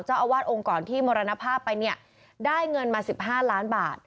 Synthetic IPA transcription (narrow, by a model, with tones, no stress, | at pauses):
wt͡ɕaː˥˩wʔa˧waː˥˩t̪̚ʔo˧ŋkɔː˨˩nt̪ʰiː˥˩moː˧ɾa˧na˦˥pʰaː˥˩pːa˧jni˥˩ɐ | daː˥˩jŋɤ˧nmaː˧si˨˩p̚ɦaː˥˩laː˦˥nbaː˨˩t̪̚